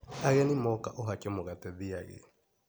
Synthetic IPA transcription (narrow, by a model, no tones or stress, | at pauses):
aɣɛnimɔkaʔoɦakɛmoɣatɛðia̰ɣɛ̰